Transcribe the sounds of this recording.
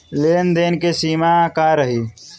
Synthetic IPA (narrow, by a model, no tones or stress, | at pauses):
leːnd̪eːnkesiːmakaɾəɦiː